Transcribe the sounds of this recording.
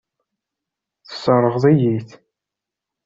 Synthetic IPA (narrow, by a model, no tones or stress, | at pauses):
θə̥səɾˤːəʁðˤijiθ